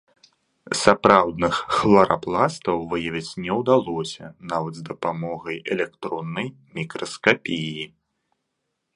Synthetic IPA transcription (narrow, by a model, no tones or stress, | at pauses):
sapɾawd̪nɨxːlˠɐɾaplˠast̪ɐwvɨjɐvʲit͡sʲnʲɛwd̪alˠɔsʲɐ̰navɐd̪zd̪ɐpamɔɣɐjɛlʲɛkt̪ɾɔnːɐj | mʲikɾɐskapʲiji